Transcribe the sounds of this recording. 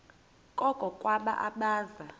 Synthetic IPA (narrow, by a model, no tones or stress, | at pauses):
kʼɔkʼɔkʼwaɓa̰ʔaɓaːza